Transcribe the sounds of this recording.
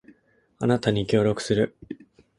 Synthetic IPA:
anat̪aɲ̟ikʲo̞ːɾʲo̞kɯ̟̥sɨɾɯ̟

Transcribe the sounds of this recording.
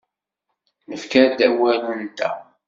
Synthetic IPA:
nəfkæd̪æwælunt̪æ̰

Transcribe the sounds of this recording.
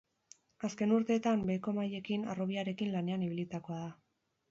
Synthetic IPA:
aske̞nuɾt̪e̞ːt̪ambe̞ko̞maje̞kina̰ro̞β̞iaɾe̞kinlane̞aniβ̞ilit̪ako̞aða

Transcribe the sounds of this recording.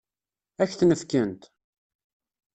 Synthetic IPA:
æçθnəfkənt̪

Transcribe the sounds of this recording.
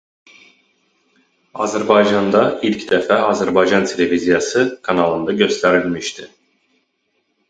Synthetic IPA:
ɑzæɾbɑjd͡ʒɑnd̪ɑilʲcd̪ɛfæɑzæɾbɑjd͡ʒɑnt̪ʰe̞lʲe̞vizijɑsɯkʰɑnɑlˠɯnd̪ɑɟø̞st̪ʰæɾilʲmiʃt̪ʰi

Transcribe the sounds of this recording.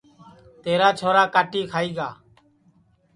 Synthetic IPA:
t̪eːɾaːt͡ʃʰoːɾaːkaːʈiːkʰaːiːɡaː

